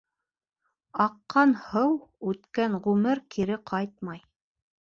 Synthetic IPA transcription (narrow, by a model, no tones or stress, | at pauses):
ɑqːɑnhɤwʉt̪kænʁʉmɘɾkʰiɾɘqʰɑjt̪̚mɑj